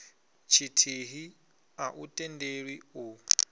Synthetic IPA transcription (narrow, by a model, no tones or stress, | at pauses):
t͡ʃʰitʰiɦi | aʔutʼɛndeɺwiu